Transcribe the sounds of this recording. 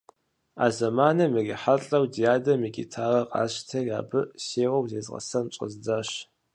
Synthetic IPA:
a̰ːzɐmaːnɐmɨriħaɬʼɐwdijaːdɐmikʲʼḭtʰaːrɐqʼa̰ːɕtʰɐra̰ːbɨseːʁɐwzeːzʁɐ̰sɐnt͡ʃʼə̰zd͡zaɕ

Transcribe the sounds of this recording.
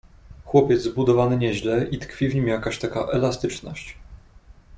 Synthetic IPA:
xwɔpʲjɛd̪zbud̪ɔvanɘɲɛʑlɛʔit̪kfʲivɲimjakaɕt̪aka̰ʔɛlast̪ɘt͡ʂnɔ̰ɕt͡ɕ

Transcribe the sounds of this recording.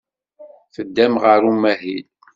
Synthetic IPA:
θəd̪ːæmʁəɾumæɦil

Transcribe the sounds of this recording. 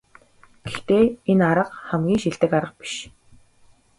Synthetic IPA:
ɡ̥ext̪eːenaɾə̆qχæmɡʲiːŋʃiɮt̪ɘ̆kaɾə̆q̚pi̥ʃ

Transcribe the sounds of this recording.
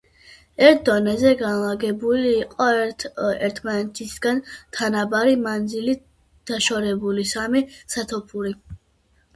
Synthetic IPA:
ɛɾt̪̚ʰd̪ɔnɛzɛɡanlˠaɡɛbuliːqʼɔ | ɛɾt̪ʰmanɛt̪ʰisɡ̥ant̪ʰanabaɾimand̪zili | d̪̥aʃɔɾɛbulisamisat̪ʰɔpʰuɾi

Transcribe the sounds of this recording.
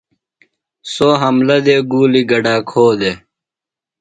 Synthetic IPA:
soːɦɐmlɐd̪eːɡuːliɡɐɖaːkʰoːd̪e

